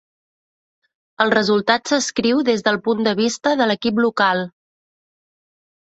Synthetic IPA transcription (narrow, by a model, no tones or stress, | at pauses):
əlˠrəzulˠt̪at̪səskɾiwðezðəlˠpund̪əβ̞ist̪əðələkiplukalˠ